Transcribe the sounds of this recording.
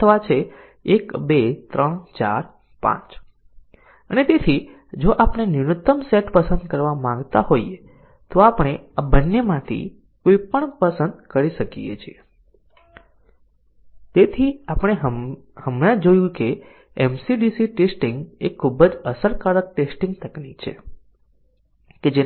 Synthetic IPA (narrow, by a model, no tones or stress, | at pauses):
t̪ʰəʋat͡ʃʰeː | kbet̪ɾəɳt͡ʃa̰ɾ | pã̰t͡ʃ | ənet̪et̪ʰi | d͡ʒoʔapɳ̃enɪɳut̪ːəmseʈpəsə̃nd̪kəɾʋamãŋɡt̪aɦoje | t̪oapɽ̃eabənːemãt̪ʰḭ | koipəɳpəsənd̪kəɾiʃəkḭjḛt͡ʃʰie | t̪et̪ʰiapəɽ̃e | həmɽãd͡ʒojũke | ɛmsiɖisiʈesʈĩŋɡekʰːubəd͡ʒəsəɾkalək̚ʈesʈĩŋɡ̚t̪ʰəklit͡ʃʰḛ | ked͡ʒe